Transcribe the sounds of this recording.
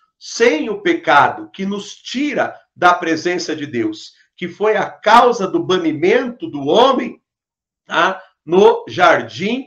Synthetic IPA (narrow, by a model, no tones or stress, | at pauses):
sẽj̃ʊpekad̪ʊkɪnʊst͡ʃiɾɐ | d̪ɐpɾezẽsɐd͡ʒɪd̪ews | kɪfojɐkawzɐd̪ʊbɐ̃nimẽnt̪ʊd̪ʊõmẽj̃ | a | nʊʒaɾd͡ʒĩ